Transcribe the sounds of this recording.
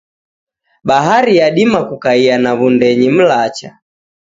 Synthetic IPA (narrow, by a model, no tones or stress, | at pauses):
ɓaɦaɾijaɗimakukaianaβundɛɲim̩lat͡ʃa